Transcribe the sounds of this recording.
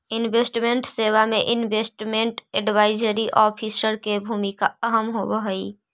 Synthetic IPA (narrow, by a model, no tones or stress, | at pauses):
ɪnʋeːsʈmẽɳʈseːwamẽʔɪnʋeːsʈmẽɳʈɛɖʋaːɪd͡ʒəɾiʔɔːpʰisəɾkebʱuːmika̰ɐɦəmɦoʋəɦəiː